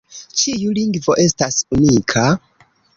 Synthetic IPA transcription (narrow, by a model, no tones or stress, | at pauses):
t͡ʃijuliŋɡvo̞ʔe̞stasunikʰa